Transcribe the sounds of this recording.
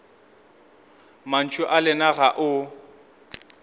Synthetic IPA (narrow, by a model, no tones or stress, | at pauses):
man̩t͡ʃʼʊʔalɛnaɣaʔʊ